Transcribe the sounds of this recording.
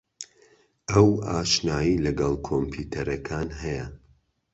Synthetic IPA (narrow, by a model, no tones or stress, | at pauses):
ʔɐwaːʃnaːjilɐɡɐlˠkʰompʰuːt̪ʰɐɾɐkʰaːnɦɐjɐ